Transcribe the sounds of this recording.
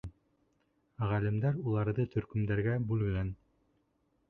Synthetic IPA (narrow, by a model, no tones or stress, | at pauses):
ʁælɘ̆md̪æɾulˠɑɾðɤt̪ʰɵ̆ɾkɵ̆md̪æɾɡæbʉlɡæn